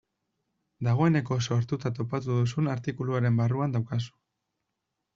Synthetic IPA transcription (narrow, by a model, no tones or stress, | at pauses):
d̪aɣ̞o̞e̞ne̞ko̞so̞ɾt̪ut̪at̪o̞pat̪uðusunaɾt̪ikuluaɾe̞mbaruand̪awkasu̥